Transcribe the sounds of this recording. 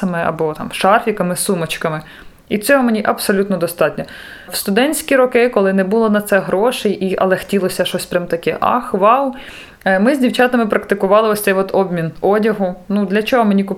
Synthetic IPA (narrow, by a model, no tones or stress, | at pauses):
ɐmɪɐ̰bɔt̪ɑ̰mʃɑrfʲikɐmɪsumɐt͡ʃkɐmɪ | it͡sʲɔɦɔmenʲiʔɐpsɔlʲut̪nɔd̪ɔst̪ɑtʲnʲɔ | wst̪ʊd̪ɛnʲt͡sʲsʲkʲiɾɔkɪkɔlˠɪnɛbulˠɔnɐt̪sɛɦɾɔʃɛjʔiʔɐ̰lˠɛxtʲilˠɔsʲɐʃɔsʲpɾʲɐmt̪ɐkɛʔɑ̰xʋɑw | mɪzʲdʲiwt͡ʃɑt̪ɪmɪpɾɐkt̪ɪkʊʋɑlˠɪɔsʲt̪ɛjʋɔd̪ɔbmʲinɔdʲɐɦʊnud̪lʲɐt͡ʃɔɦɔmenʲikʊ